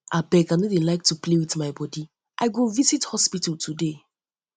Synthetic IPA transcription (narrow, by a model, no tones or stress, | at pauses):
ʔabɛkãnɔlĩlaɪk̚tuplewiθmaɪbɔdi | ʔa̰ɪɡovisithɔspitaltʰude